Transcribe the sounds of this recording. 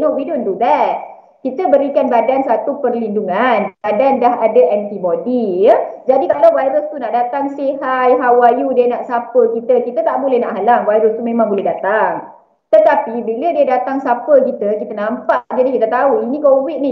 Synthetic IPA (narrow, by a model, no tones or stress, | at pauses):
duʔbidʊnd̪ubɛh | kit̪əbəɾikanbadansat̪upərlinduŋanbadandaɦadəʔɛnt̪ibodiəd͡ʒadikalawwajɾʊst̪unaʔdat̪aŋsiɦajɦawajudiənaʔsapəkit̪əkit̪ət̪aʔbulɛhnaʔɦalaŋwajɾʊst̪umẽmãŋbulɛɦdat̪aŋ | t̪ət̪apibilədiədat̪aŋsapəkit̪əkit̪ənãmpaʔd͡ʒadikit̪ət̪auinĩkowit̪̚ni